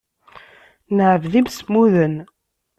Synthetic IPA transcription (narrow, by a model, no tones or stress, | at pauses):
nəʕəvðimsmuðən